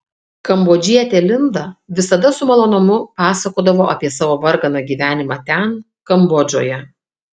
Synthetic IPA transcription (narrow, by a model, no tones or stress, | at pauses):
kɐmboːd͡ʒʲiɛt̪ʲeːlʲɪnd̪ɐʋʲɪsɐd̪ɐsʊmɐlˠoːnoːmʊpɑːsɐkoːd̪ɐʋoːʔɐpʲiɛsɑːʋoːʋɐɾɡɐnɐɡʲiːʋʲæːnʲɪmɑːt̪ʲæn | kɐmbɔd͡ʒʲo̰ːjɛ